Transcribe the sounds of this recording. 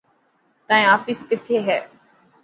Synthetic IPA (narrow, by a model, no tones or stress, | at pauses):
t̪ãːẽaːfiskɪt̪ʰeɦɛː